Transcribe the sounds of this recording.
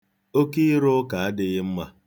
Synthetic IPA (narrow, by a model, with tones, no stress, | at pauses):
o˦ki˦ɾo˦ka˨a˦dɪ˦ɣɪ˦m̩˦ma˦